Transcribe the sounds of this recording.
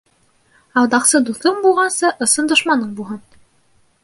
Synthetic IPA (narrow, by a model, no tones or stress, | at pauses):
ɑwˠd̪ɑqsɤd̪uθɤɴbulˠʁɑnsɤʔɤ̆sɤnd̪ŏʃmɑnɤɴbulˠɦɤn